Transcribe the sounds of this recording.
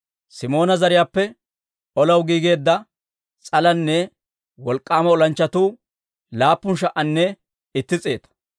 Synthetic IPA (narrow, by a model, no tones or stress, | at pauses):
sɪmo̞ːnɐzɐɾɪjaːpːɛ | ʔɔlɐwɡiːɡe̞ːd̪ːɐ | t͡sʼɐlɐnːɛ | wɔlkʼːaːmɐɔlɐnt͡ʃːɐt̪uː | laːpːʊnʃ̬ɐʔɐnːɛ | ɪt̪ːɪt͡sʼe̞ːt̪ɐ̥